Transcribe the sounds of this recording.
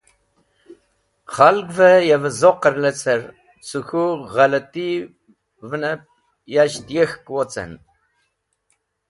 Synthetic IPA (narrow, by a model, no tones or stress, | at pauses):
χalɡʷvɐjɛvɨzoqərlɐt͡sʰɐr | t͡sʰuxuʁɐlɐt̪ʼi | vɨnɐp̚ | jaʃt̪jɛxkʼwɔt͡sʼɐ̰n